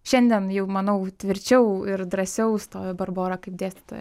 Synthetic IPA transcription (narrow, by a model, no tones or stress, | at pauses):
ʃʲɛnʲd̪ʲiɛnjɛʊmɐnɐʊt̪ʲʋʲɪɾʲt͡ʃʲɛʊɪɾd̪ɾɐsʲɛʊst̪oːbɐrboːɾɐkɐɪp̚d̪ʲeːsʲt̪ʲɪ̥t̪o̰